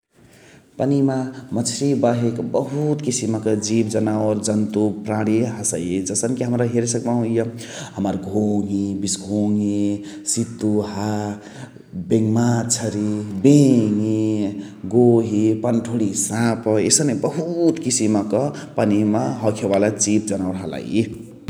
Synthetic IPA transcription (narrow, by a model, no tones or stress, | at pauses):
pənimamʌt͡sʰɾibaɦekbəɦut̪kisimʌkʌd͡ʒibd͡zʌnawɾd͡zʌnt̪upɾãɽiɦʌsəjed͡zʌsənkiɦəmɾaɦeɾesək̚baɦũjʌɦʌmʌɾɡʱoŋibisɡʱoŋi | sit̪ːuɦa | beŋmat͡ʃʰəɾibeŋi | ɡoɦipanʈʰuɽisãpʌesənebʌɦut̪kisimːʌkʌpanimaɦʌkʰebalad͡zip̚d͡zʌnawɾɦala̰ji